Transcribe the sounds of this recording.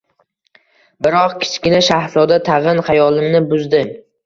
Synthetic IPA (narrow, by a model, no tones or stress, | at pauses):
bɪɾɒqkʲʰɪ̥t͡ʃkʲɪnaʃahzɒd̪at̪ʰɑʁɨnχɑjɒlˠɪmnɪbʊzd̪ɪm